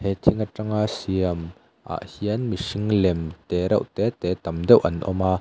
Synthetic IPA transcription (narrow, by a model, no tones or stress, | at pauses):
hɛt̪ʰiŋaʈ͡ʂaŋasiɐm | ʔa̰ʔhiənmisiŋlɛmt̪ɛɾɐ̰wʔt̪ɛt̪ɛt̪ɐmdɛwʔɐ̰nʔɔ̰maː